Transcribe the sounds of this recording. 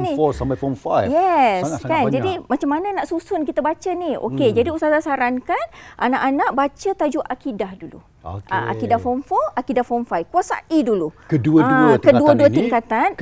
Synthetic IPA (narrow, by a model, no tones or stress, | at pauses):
niɔsambafɔmfajjɛskand͡ʒadimat͡ʃamːanənãʔsusʊnkit̪əbat͡ʃənio̰ked͡ʒadiusasasaɾankanʔa̰naʔanãʔbat͡ʃət̪ad͡ʒuʔakidahdulṵ | ʔa̰ʔa̰kidahfɔmfɔakidahfɔmfajkuasa̰ʔidulukəduəadkəduəduət̪iŋkat̪an